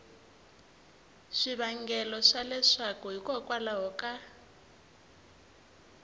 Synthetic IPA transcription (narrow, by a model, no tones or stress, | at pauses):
ʂiβaŋɡɛlɔʂalɛʂakuɦikʼɔkʼwalaɦɔkʼa